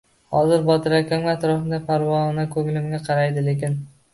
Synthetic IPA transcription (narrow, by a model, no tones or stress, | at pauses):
hɒzɪɾbɒt̪ʰɪɾakʲʰamat̪ɾɒfɪnd̪apʰaɾwɒnakʰɵŋlɪmɡʲaqʰɑɾajd̪ɪle̞kʲɪn